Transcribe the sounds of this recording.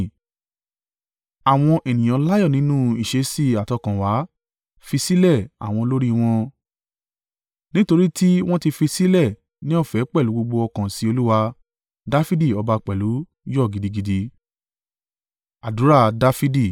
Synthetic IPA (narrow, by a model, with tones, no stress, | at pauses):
a˨w̃ɔ̃˧ʔɛ˨nĩ˨j̃ã˨˦la˦jɔ˦˨nĩ˨˦nũ˦i˨ʃe˨˧si˦˨a˨tɔ˧˨kã˨wa˨˦ | fi˧si˦lɛ˦˨a̰˨w̃ɔ̃˧lo˦ɾi˦˧w̃ɔ̃˧ | nĩ˦to˧ɾi˦ti˦w̃ɔ̃˦ti˧fi˧si˦lɛ˦˨ | nĩ˦ɔ˦˨fɛ˨˦k͡pɛ˦˨lu˨˦ɡ͡bo˧ɡ͡bo˧ɔ˧kã˨si˨˧o˧lu˦wa˧ | da˦fi˦di˦˨ɔ˧ba˧k͡pɛ˨lu˨˦ | jɔ˦˨ɡi˨di˧ɡi˧di˧ | a˨du˨˦ɾa˦˨da˦fi˦di˦˨